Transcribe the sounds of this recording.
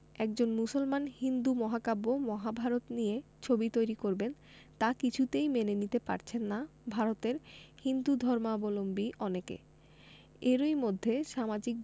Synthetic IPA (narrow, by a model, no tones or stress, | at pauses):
ɛk̚d͡ʑonmusolmanhind̪umɔɦakabomɔɦabʱaɾot̪niet͡ɕʰobit̪ojɾikoɾben | t̪akit͡ɕʰut̪ejmenenit̪epa̰ɾt͡ɕʰenːabʱaɾot̪eɾhind̪ud̪ʱɔɾmabolombiʔɔnekḛ | eɾojmod̪ʱːeʃamad͡ʑik̚